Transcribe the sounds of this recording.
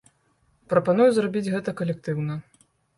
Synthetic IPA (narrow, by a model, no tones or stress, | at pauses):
pɾɐpanujuzrabʲid͡zʲɣɛt̪ɐkɐlʲɛk̚t̪ɨwnɐ